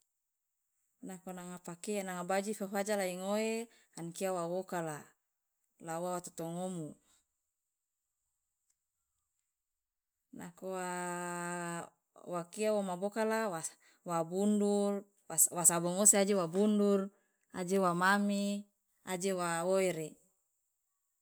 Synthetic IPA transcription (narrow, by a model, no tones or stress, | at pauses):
nakonaŋapakenaŋabad͡ʒifafad͡ʒalaiŋoe | ankiawawokala | lauwawat̪o̥t̪ɔŋomu | nakowa | wakiawomabokalawa | wabundur | wasabɔŋosead͡ʒewabundur | a̰d͡ʒewamami | ad͡ʒewaoeɾe